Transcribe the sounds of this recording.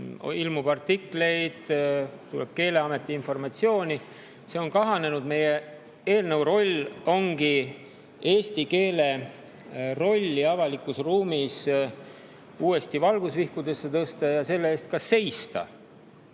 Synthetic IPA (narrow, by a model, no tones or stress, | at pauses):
ilmub̥ɑrt̪ːikle̞jd̪̥t̪ːuleb̥̚ke̞ːle̞ɑme̞t̪ːˑiinfo̞rmɑt̪sio̞ːnʲi | se̞o̞nkɑɦɑne̞nud̪̥me̞je̞ | e̞ːlnɤwro̞lʲo̞ŋɡ̥i | e̞ːst̪ike̞ːle̞ | ro̞lʲːiɑvɑlikːˑusruːmis | uːe̞st̪ivɑlɡ̥usvihkud̪e̞sːet̪ɤst̪ɑjɑse̞lːeeːst̪̚kɑse̞jst̪ɑ̰